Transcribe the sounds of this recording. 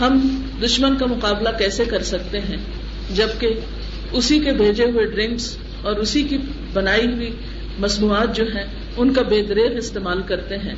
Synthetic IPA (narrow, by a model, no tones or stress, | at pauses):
ɦɐm | d̪ʊʃmənkamʊqaːblakɛːsekɐɾsɐk̚t̪eɦɛ̃ | d͡ʒɐbke | ʊsikebʱeːd͡ʒeɦʊeɖɾɪ̃ŋks | ɔːɾʊsiki | bɐnaːiɦʊi | mɐsmuːaːt̪̚d͡ʒoːɦɛ̃ | ʊnkabeːd̪ɾeːɣɪst̪eːmaːlkɐɾt̪eɦɛ̃ː